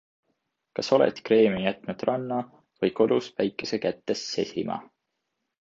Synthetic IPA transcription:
kɑso̞lḛt̪kre̞ːmijæt̪ˑnud̪̥rɑnːɑ | vɤjkolusvæjkːˑese̞kæt̪ːe̞sːe̞sʲimɑ̰

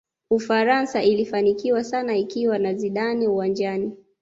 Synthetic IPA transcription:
ufaɾansaʔilifanikiwasanaikiwanaziɗaniuwand͡ʒani

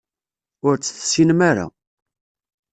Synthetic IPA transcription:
ʊɾt͡sːθsinmaɾa̰

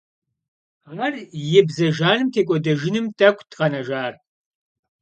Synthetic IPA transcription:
aːrjɛbzɐʒaːnɨmtʰeːkʷʼɔdɐʒɪnɨmtʰʼɐkʷʰʼtʁɐnɐʒaːr

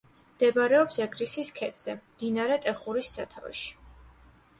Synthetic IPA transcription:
md̪̥ɛbɾɛɔpsɛɡɾisiskʰɛt̪ʰʼz̥ɛmd̪̥inaɾɛt̪ʼɛχuɾisːa̰t̪ʰa̰vɛ̰ʃi̥

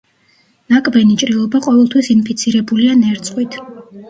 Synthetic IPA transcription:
nakʼbɛnit͡ʃʼɾilˠɔbaqʼɔvɛlˠt̪ʰwisinpʰit̪sʰiɾɛbulianɛɾt̪sʼqʼwit̪ʰ

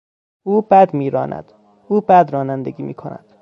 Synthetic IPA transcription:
ʔuːbæd̪miːɾɒːnʔæ̰d̪̥ | uːbæd̪ɾɒːnænd̪eɡiːmiːkʰonæ̰d̪̥

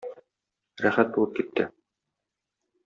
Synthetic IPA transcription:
ɾæχæt̪̚bulˠɤp̚kit̪ːɘ

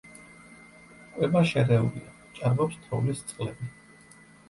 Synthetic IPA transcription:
kʼwɛbaʃɛɾɛṵlia | t͡ʃʼaɾvɔpst̪ʰɾɔ̰vlist̪sʼqʼlɛbi

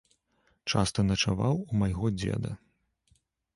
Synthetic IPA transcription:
t͡ʂast̪ɐnɐt͡ʂavawumajɣɔd͡zʲɛ̰d̪ɐ̰

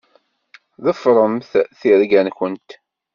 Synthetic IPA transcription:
ðəfɾˤəmθθiɾɡænçənt̪

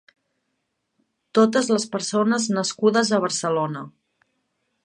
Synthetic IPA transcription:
t̪ot̪əzləspəɾsonəznəskuðəzəβ̞əɾsəlonə

